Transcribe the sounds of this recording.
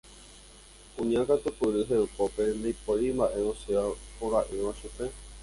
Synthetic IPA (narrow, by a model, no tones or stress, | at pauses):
kũɲãkat̪upɨɾɨɦeukope̞nd̪ijpoɾimbaʔe̞oseapoɾaʔɨʋaʃupe